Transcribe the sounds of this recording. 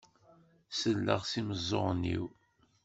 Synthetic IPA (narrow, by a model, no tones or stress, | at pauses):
səlːəʁsiməzˤːoʁnːḭw